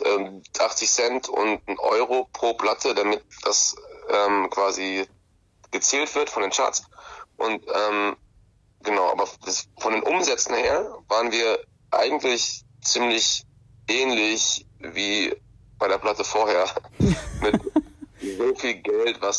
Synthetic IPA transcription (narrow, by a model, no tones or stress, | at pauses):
ʔɛːmʔaχt͡sɪçsɛntʰʊ̰ntn̩ʔɔ̰ʏʁ̞opʁ̥oːpl̥atʰədamɪt̚d̥asʔɛːmkv̥aːzi | ɡ̥ət͡sɛːltv̥ɪɐtfɔndeːnt͡ʃa̰tsʔʊntʔɛːm | ɡ̥ənaʊʔa̰ːbɐ̥sfɔndeːnʔʊmzɛt͡sn̩heːɐvaːʁənviːɐ | ʔa̰ɪɡŋ̩tlɪç | t͡siːmlɪç | ʔɛːnlɪçviː | b̥aɪɾeːɐpʰl̥atəfoːɐheːɐmɪtzoːfiːlɡɛltv̥as